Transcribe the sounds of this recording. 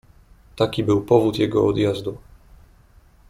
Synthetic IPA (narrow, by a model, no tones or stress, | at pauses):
t̪akʲibɘwpɔvut̪jɛɡɔɔ̰d̪jazd̪u